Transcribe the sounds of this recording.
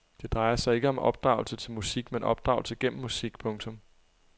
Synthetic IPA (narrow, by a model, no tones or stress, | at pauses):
d̥e̝d̥ʁɑ̈ɪɐsɑ̈ɪe̝ɡ̥əɒ̽mɒ̽b̥̚d̥ʁɑ̰̈ʊl̩sət͡sʰe̝lmusiɡ̥menɒ̽b̥̚d̥ʁɑ̈ʊl̩səɡ̥en̰m̩ːusiɡ̥pʰɔ̽ŋt͡sʰɔ̽m